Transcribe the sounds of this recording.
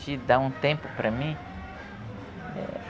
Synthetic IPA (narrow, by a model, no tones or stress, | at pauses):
d͡ʒɪd̪aũt̪ẽpʊpɾɐmĩ | ɛ̰